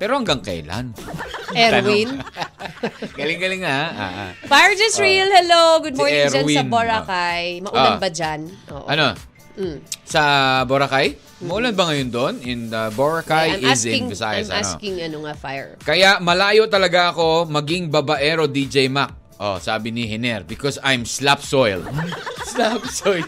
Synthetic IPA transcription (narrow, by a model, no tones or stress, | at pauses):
pɛːɾo̞hɐŋɡɐŋkɛ̰jla̰nɛɾwin | ɡɐlɪŋɡɐlɪŋːaa̰ʔa̰fajɛɹd͡ʒɐsɹilhɛloɡʊd̪mɔɹɛɾwiɐnboɹakajmɐʔulabɐd͡ʒanʔo̰ːʔʔɐno̞ | sɐboɾɐkaj | mɐʔuːlɐnbɐŋɐjond̪oʔnɪnd̪ɐboɹɐkajɪsɪŋvɛsa̰ːjɐ̰sɐ̰no̰kɪŋɐnoŋafajɛɹkɐjaʔmɐlaːjo̞t̪ɐlɐɡaʔɐko̞mɐɡɪŋbɐbɐʔɛɾo̞d̪id͡ʒɛjmak̚ | ʔo̰sa̰ːbɪnɪɦɛnɛɾbɪkosajmslapsojlslapsojl